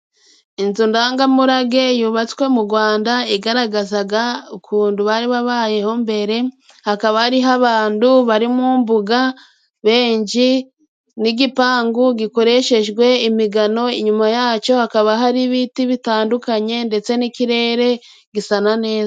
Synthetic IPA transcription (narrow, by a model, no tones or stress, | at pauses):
inzundaːŋɡamuɾaɡe̞juːβat͡swe̞muɡwaːndaiɡaɾaɡazaɡaukʰuːnduβaːɾiβaβaːje̞ho̞mbe̞ɾe̞ | hakaβahaɾiɦaβaːnduβaɾimuːmbuɡa | βe̞ːɲɟi | niɡipaːŋɡuɡiko̞ɾe̞ʃe̞ʒɡwe̞imiɡano̞iɲumajaːt͡ʃo̞hakaβaɦaɾiβitiβitaːndukaɲe̞nde̞t͡se̞nikiɾe̞ːɾe̞ | ɡisanane̞ːza